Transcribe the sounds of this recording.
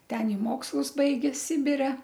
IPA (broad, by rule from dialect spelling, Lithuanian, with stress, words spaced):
ˈtʲɛn ɪ ˈmoːkslˠʊs ˈbɐɪɡʲeː ˈsʲɪbʲɪrʲɛ